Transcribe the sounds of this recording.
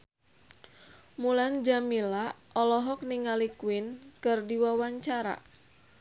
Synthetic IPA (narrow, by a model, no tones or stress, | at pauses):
muland͡ʒamila | ɔlɔɦɔk̚niŋalikwɪnkɨrdiwawaɲt͡ʃaɾa̰